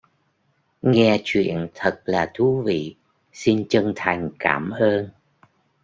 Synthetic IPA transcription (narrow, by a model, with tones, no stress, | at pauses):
ŋɛ˧t͡ɕwḭ˧˨ənt̪ʰə˨˩t̚laː˨˩t̪ʰu˨˦vḭ˧˨ | si˧nt͡ɕə˧ŋt̪ʰa˨˩jŋ̟kaː˧˩mʔəː˧n